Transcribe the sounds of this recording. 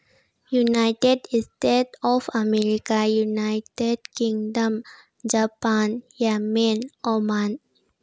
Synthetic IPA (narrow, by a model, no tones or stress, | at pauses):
junaɪʈeɖisʈeʈɔfəmeɾikajunaɪʈeɖkĩŋɖəm | d͡ʒapanjamenoman